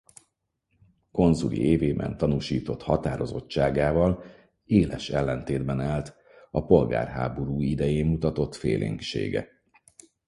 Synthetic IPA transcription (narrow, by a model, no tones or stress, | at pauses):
ko̞nzulʔḭʔeːveːbɛ̰nt̪ɒnuʃiːt̪o̞t̪hɒt̪aːɾo̞zo̞̰t͡ʃːaːɡaːvɒl | eːlɛʃɛlːɛnt̪eːd̪bɛnaːlt̪ | ɒpo̞lɡa̰ːrɦa̰ːbo̞ɾuːid̪ɛjeːmmut̪ɒt̪o̞t̪fḛːlʔḭːŋkʃḛːɡɛ̰